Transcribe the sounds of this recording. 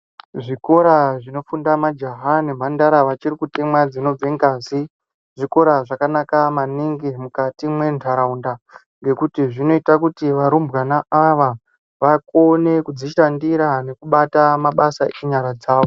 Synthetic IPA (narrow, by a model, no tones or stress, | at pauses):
ʐiko̞ɾaʐino̞fundamad͡ʒaɦane̞m̤ʱandaɾaʋat͡ʃiɾikutemwad͡zino̞b͡veŋɡaːzi | ʐiko̞ɾaʐakanakamaniŋɡimukatimwe̞ntʰaɾaunda | ŋɡe̞kutiʐino̞itakutiʋaɾumbɣanaaʋa | ʋakone̞kud͡ziʃandiɾane̞kuɓatamaɓasaʔeɲaɾad͡zaːʋo